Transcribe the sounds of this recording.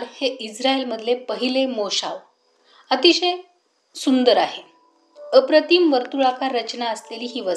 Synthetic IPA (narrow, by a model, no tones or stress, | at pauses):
ɽheʔid͡zɾaelməd̪ʱlepəɦilemoɕaʋ | ət̪iɕej | sund̪əɾaɦe | əpɾət̪iːmʋəɾt̪uɭakaɾːət͡ɕnaəsleliːɦiːʋə